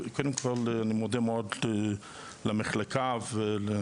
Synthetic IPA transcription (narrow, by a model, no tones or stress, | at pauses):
kod̪emkoolanimod̪emeod̪ | lemeχlekʰavele